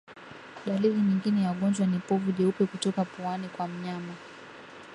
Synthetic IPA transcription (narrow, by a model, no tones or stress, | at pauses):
ɗaliðiɲiŋɡinɛjauɠɔnd͡ʒwanipɔvuʄɛupɛkutɔkapuanikwam̩ɲama